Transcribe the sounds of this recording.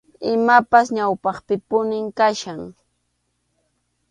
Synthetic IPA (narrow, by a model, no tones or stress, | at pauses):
ɪmapasɲawpɑχpɪpʊnɪŋkaʃaŋ